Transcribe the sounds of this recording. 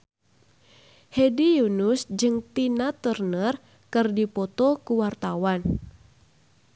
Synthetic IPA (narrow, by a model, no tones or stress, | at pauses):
hedijunusd͡ʒɨŋt̪inat̪ərnər | kɨrdipɔt̪ɔkuwart̪awan